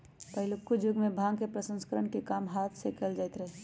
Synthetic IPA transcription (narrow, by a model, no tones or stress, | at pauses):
pəɦɪlukʊd͡ʒʊɡmẽbʱãːɡkepɾəsə̃nskəɾəɳkekaːmɦaːt̪ʰsekəld͡ʒaːɪt̪ɾɛɦ